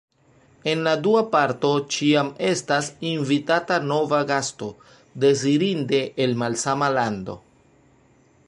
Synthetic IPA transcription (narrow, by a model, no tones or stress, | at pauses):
e̞nladuapaɾto̞t͡ʃiame̞stasinvitatano̞vaɡasto̞ | de̞ziɾinde̞ʔːlmalsamalando̞̰